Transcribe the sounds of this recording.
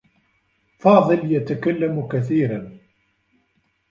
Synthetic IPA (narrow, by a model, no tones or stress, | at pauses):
fɑːðˤɨljat̪akalːamkaθiːɾan